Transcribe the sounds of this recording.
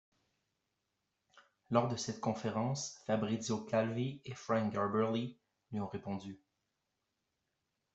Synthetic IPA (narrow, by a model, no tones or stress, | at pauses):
lɔʁd̪əsɛt̪kɔ̃feʁɑ̃sfabʁizokalviefʁɑ̃ŋɡaʁbɛʁli | lɥiɔ̃ʁepɔ̃d̪y